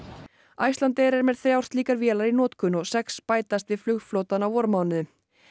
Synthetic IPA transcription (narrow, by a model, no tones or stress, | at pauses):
ajst̪ant̪ɛɾɛɾmɛðθɾjawr̥t̪liːkaɾvjɛːlaɾinɔːt̪kʏnɔɣsɛkspaːjt̪ast̪vɪðflʏɣflowt̪anawɔɾmaːwnɪʏ